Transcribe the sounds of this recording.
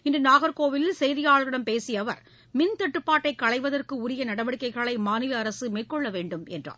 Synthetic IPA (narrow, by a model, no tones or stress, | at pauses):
ɪndrɯnaːɣɐɾkoːʋɪlsɛjðɪjaːɭɣɪɽɐmpeːsɪjɐʋɐɾ | mɪnt̪ɐʈːɯpːaːʈːɐɪkːɐɭɐɪʋɐðɐrkɯʊɾɪjɐnɐɽɐʋɐɽɯkːɐɪɣɐɭɐɪmaːnɪlɐːɾɐsɯmeːrkɔɭːɐʋeːɳɖɯmɛ̰ndra̰ː